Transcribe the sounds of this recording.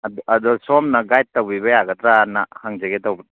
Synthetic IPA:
dadɔsɔmnaɡajtːawbiβajaɡɐtɾanahaŋd͡ʒeɡetawb

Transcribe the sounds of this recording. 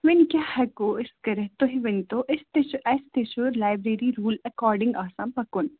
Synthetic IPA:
ʋɪnkjahɐkoɪskɐɾəɦt̪oɦiʋɪnt̪oʔɪst̪eʔɛst̪eʃuɾlaːɪbɾeːɾiɾuːlɐkɔːɾɖɪ̃ŋɡaːsaːmpɐkʊn

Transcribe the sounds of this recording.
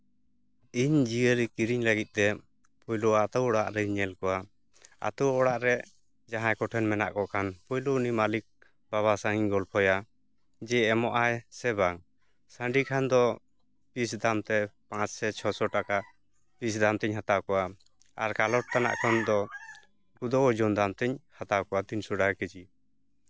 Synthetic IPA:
iɲd͡ʒiəlikiɾiɲləɡit̪̚ˀt̪ɛ | pʰɔjlɔat̪ɔwɔɽa̰ʔɾɛɲɛlkɔwa | a̰t̪ɔwɔɽaʔɾɛ | d͡ʒaɦãjkɔʈʰɛnmɛna̰ʔkɔkʰanpɔjlounimalik̚ | baβasaŋiɲɡɔlpʰɔja | d͡ʒɛːmɔʔajsɛbaŋ | sə̃ɳɖikʰand̪ɔ | b̥is̬d̪amt̪ɛpãt͡ʃsɛt͡ʃʰɔsɔʈaka | b̥isd̪amt̪ɛɲɦat̪awkɔwa | aɾkalɔʈ̚t̪ana̰ʔkʰɔnd̪ɔ | kud̪ɔd͡ʒɔnd̪amt̪ɛɲhat̪awkɔat̪insuɽakɛd͡ʒi

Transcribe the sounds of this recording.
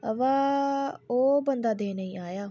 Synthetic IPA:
ə̰ʋaː | oːbənd̪aːd̪eːnəĩːaːjaː

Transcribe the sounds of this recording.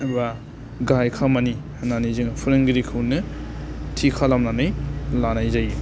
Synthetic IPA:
ɐɾuba | ɡajkʰamani | ananizɯŋpʰuɾɯŋɡiɾikʰɯwnɯ | tʰikʰalamnanajlanajzaj

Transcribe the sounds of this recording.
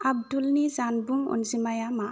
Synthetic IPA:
ab̚dulnizanbuŋɔ̰nzimajama

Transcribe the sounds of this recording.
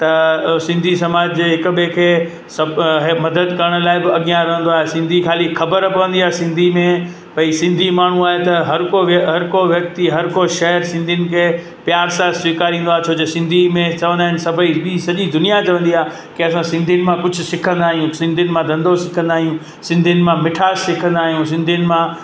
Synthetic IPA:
t̪ɐsɪ̃nd̪ʱisɐmaːd͡ʑd͡ʑeːɦɪkbekʰeː | sɐɦmɐd̪əd̪kɐɾəɽ̃̆laːɪbɪɐɠijãɾɐɦə̃nd̪oaːɦesɪ̃nd̪ʱikʰaːlixɐbəɾpɐʋə̃nd̪iaːsɪ̃nd̪ʱimẽ | pɐisɪ̃nd̪ʱimaːɳ̤ũaːɦet̪ɐɦɐɾkoʋɐɦɐɾkoʋjɐk̚t̪iɦɐɾkoʃɛɦɾsɪ̃nd̪ʱiʊnɪ̆kʰeː | pjaːɾsaːswiːkaːɾĩːnd̪oaɦet͡ɕʰoːd͡ʑesɪ̃nd̪ʱimẽt͡ɕɐʋə̃nd̪aːɦɪnsɐbʱəibisɐʄid̪ʊnijat͡ɕɐʋə̃nd̪iaː | kɪɐsãsɪ̃nd̪ʱiʊnɪ̆mãkʊd͡ʑʱʊsɪkʰə̃nd̪aːɦijũsɪ̃nd̪ʱinɪmãd̪ɐ̃nd̪ʱosɪkʰə̃nd̪aːɦijũ | sɪ̃nd̪ʱijənɪ̆mãmɪʈʰaːssɪkʰə̃nd̪aːɦijũs̬ɪ̃nd̪ʱinɪ̆mã

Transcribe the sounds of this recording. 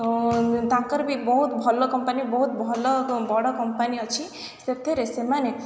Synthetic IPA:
t̪ãkɔɾbʱibɔɦut̪bʱɔlɔkɔmpanibɔɦut̪bʱɔlɔbʱɔɽɔkɔmpaniɔt͡ʃʰi | set̪ʰeɾesemane

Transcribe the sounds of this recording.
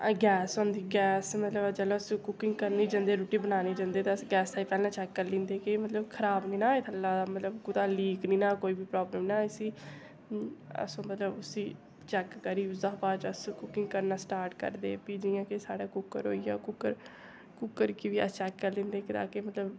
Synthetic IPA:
ɡɛːsõːnd̪iːɡɛːsmət̪ləbt͡ʃəloːəsõːkʊkɪ̃ŋɡkəɾniːd͡ʒãːnd̪eːɾuːʈiːbənaːniːd͡ʒãːnd̪eːt̪aəsɡɛːsaːiːpɛːlãːt͡ʃɛːkːəɾlɪ̃ːnd̪eːkemət̪ləbkʰəɾaːbnĩːnaːɪt̪ʰəlːaːamət̪ləbkʊt̪aːliːknĩːnaːkoːiːbiːpɾaːbləmnaːəsiː | ə̰sõːmət̪ləbʊsĩː | t͡ʃɛːkːəɾiːʊzaːɦpaːd͡ʒəskʊkɪ̃ŋɡkəɾnãːsʈaːɾʈkə̰ɾd̪eːpiːd͡ʒiːãːkesaːɽaːkʊkːəɾɦoːiːa̰ːkʊkːəɾ | kʊkːəɾkɪʋiːə̰t͡ʃɛːkːəɾlɪ̃ːnd̪eːkd̪a̰ːkeːmət̪ləb

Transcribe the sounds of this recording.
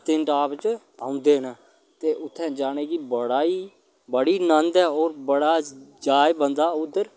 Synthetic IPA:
t̪ɪnʈaːpt͡ʃ | ãːʊ̃nd̪eːɦnaː | t̪eːʔʊt̪ʰːɛ̃ːd͡ʒaːɽ̃eːkibəɽaːiː | bəɽiːnənd̪ɛːɔːɾbəɽaːd͡ʒaːjbənd̪aːʊd̪ːəɾ

